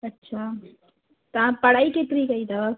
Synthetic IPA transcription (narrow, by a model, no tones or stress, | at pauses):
ɐtːʃʰa | t̪ɐãpɐɽ̤aːiket̪ɾikɐid̪a